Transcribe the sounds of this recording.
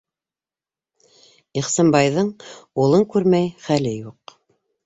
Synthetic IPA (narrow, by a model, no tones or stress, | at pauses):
iχsɑmbɑjðɤɴulˠɤŋkʉɾmæjχælɘjuq